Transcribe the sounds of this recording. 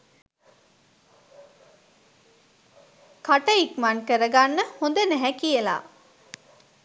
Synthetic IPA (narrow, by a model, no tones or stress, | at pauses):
kaʈəikmankəɾəɡanːəhond̪ənæɦɛkijəla̰ː